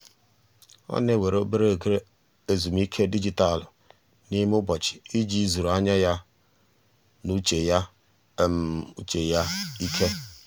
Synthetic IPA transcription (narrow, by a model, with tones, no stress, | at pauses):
ɔ̰˦ne˦˨we˨ɾo˦be˦ɾe˦˨ɡɾe˦ | e˨zu˨m̩˦i˦kʰe˦di˦d͡ʒi˨ta˦˨lʊ˨ | ni˦m˦ʊ˦bɔ˨t͡ʃɪ̥˨i˦d͡ʒi˦zu˨ɾu˨a˦ɲa˦ja˦ | nu˦t͡ʃe˨ja˦˨ | m˨ṵ˦t͡ʃe˨ja˦i˦kʰe˦